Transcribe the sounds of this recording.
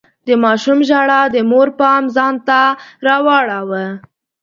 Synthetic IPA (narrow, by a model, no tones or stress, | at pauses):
d̪əmɑʃumʒaɽad̪əmoɾpɑmzɑnt̪aɾɑwɑɽawə